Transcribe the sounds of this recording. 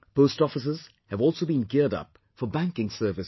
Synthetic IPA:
poʊstɔfəs̬əz̥ | hɨvɔlˠsoːbĩːnɡɪɹdʌ̰p | fəbæ̃ŋkɪ̃ŋsɜ˞vɨs

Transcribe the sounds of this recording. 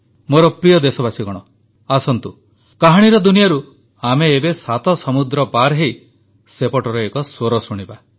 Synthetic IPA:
moɾɔpɾijɔd̪esɔbasiɡɔɽ̃ɔ | asɔnt̪u | kaɦaɽ̃iɾɔd̪unijaɾu | ameːbesat̪ɔsɔmud̪ɾɔpaɾɦej | sepɔʈɔɾɔekɔswoɾɔsuɽ̃iba

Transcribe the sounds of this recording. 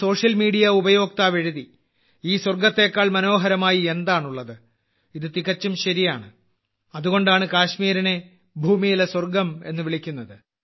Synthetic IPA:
so̞ːʂjɐlmiːɽijɐubɐjo̞ːk̚t̪aːʋe̞ɻuði | iːswɐrɡɐt̪ːe̞ːkːaːɭmɐno̞ːɦɐɾɐmaːjie̞nd̪aːɳuɭːɐðɨ | iðɨt̪iɣɐt͡ɕːumɕɐɾijaːɳɨ | ɐðuɣo̞ɳɖaːɳɨkaːɕmiːɾɐne̞ | bʱuːmijileswɐrɡɐme̞̰nːɨʋiɭikʲːunːɐðɨ

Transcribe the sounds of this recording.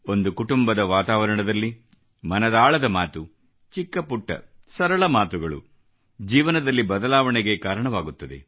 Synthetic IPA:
o̞nd̪ukuʈumbɐd̪ɐʋaːt̪aːʋɐɾɐɳɐd̪ɐlːi | mɐnɐd̪aːɭɐd̪ɐmaːt̪u | t͡ʃikːɐpuʈːɐ̰sɐɾɐɭɐmaːt̪uɡɐɭṵ | d͡ʒiːʋɐnɐd̪ɐlːibɐd̪ɐlaːʋɐɳeɡe̞kaːɾɐɳɐʋaːɡut̪ːɐd̪e̞̰

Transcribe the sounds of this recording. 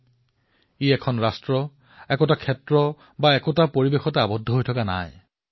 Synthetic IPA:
iɛkʰɔnɹastɹɔ | ɛkɔtakʰɛtɹɔ | baɛkɔtapoɹibexɔtaabɔdʱːɔɦojtʰɔkana̰j

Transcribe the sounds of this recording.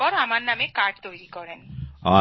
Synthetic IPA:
ɔɾamaɾnamekaɾɖ̚t̪ojɾikɔɾenɔ

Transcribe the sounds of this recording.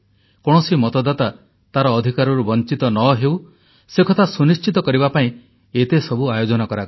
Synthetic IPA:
kɔɽ̃ɔsimɔt̪ɔd̪at̪a | t̪aɾɔːd̪ʱikaɾɔɾubɔnt͡ʃit̪ɔnɔɦew | sekʰɔt̪ʰasunist͡ʃit̪ɔkɔɾibapaĩ | et̪esɔbuajod͡ʒɔnɔkɔɾak

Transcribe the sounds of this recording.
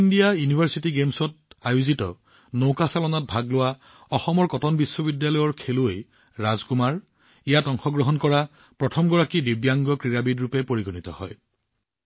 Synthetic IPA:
indijajunibʱaɹsitiɡemsɔt̚ajuzitɔ̰ | nowkasalɔnɔt̚bʱaɡlʊwa | ɔxɔmɔɹkɔtɔnbisːɔbidjalɔjɔɹkʰeloj | ɹazkumaɹ | ijatɔŋxɔɡɹɔɦɔnkɔɹa | pɹɔtʰɔmɡɔɹakidibjaŋɡɔkɹiɹabidɹupɛpoɹiɡɔnitɔ̰hɔj

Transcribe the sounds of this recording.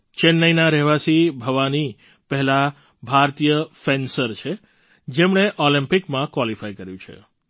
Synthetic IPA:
t͡ʃenːəjnaɾɛɦʋasibʱəʋani | pəɦɛla | bʱaɾt̪ijəfensəɾt͡ʃʰe | d͡ʒemɳeʔɔlimpikmãkʋalifajkəɾjũt͡ʃʰḛ

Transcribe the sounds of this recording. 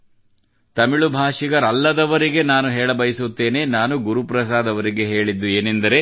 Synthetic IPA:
t̪ɐmiɭubʱaːʂiɡɐɾɐlːɐd̪ɐʋɐɾiɡe̞naːnuɦɛːɭɐbɐjisut̪ːe̞ːne̞naːnuɡuɾupɾɐs̬aːd̪ɐʋɐɾiɡe̞ɦe̞ːɭid̪ːueːnend̪ɐɾe̞

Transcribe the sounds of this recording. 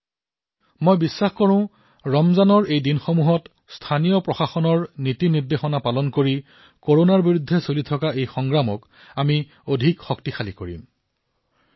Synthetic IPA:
mojbisːaxkɔɹʊ̃ʊ̃ | ɹɔmzanɔɹejdinxomuɦɔt | stʰanijɔpɹɔxaxɔnɔɹnitiniɹdexɔnapalɔnkoɹi | koɹonaɹbiɹudʱːɛsolitʰɔkaejxɔŋɡɹamɔ̰k | ami | odʱikxɔktixalikoɹḭm

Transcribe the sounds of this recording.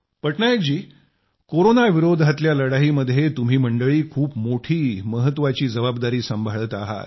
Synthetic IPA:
pəʈɳajekd͡ʑiː | koɾonaʋiɾod̪ʱat̪ljaləɽaɦiːməd̪ʱjet̪um̤iːməɳɖəɭiːkʰuːpmoʈʰiːməɦət̪ːʋat͡ɕiːd͡zəbabd̪aɾiːsəmbʱaɭət̪aɦa̰t̪

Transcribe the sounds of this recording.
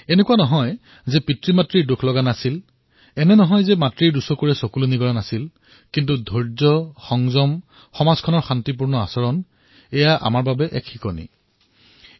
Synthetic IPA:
enekuanɔɦɔj | zɛpitɹimatɹiɹdokʰlɔɡanasil | ɛnɛnɔɦɔjzɛmatɹiɹdusɔkoɹɛsɔkuluniɡɔɹanasil | kint̬udʱɔɹzɔxɔŋzɔm | xɔmaz̥kʰɔnɔɹxantip̬uɹnɔasɔɹɔn | ɛjaʔa̰maɹbabɛʔɛkxikɔnḭ

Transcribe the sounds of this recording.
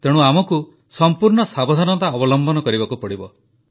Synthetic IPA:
t̪eɽ̃uamɔku | sɔmpuɾɳɔsabɔd̪ʱanɔnt̪aɔbɔlɔmbɔnɔkɔɾibakupɔɽibɔ

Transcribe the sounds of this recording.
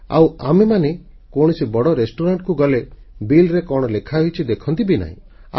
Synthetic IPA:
a̰wa̰memane | koɽ̃isibɔɽɔɾesʈuɾaɳʈkuɡɔle | bilɾekɔɽ̃ɔlekʰaɦojt͡ʃʰid̪ekʰɔnt̪ibina̰ɦḭ̃

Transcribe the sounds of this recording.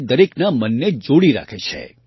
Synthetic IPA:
d̪əɾeknamənːed͡ʒoɽiɾa̰kʰet͡ʃʰḛ

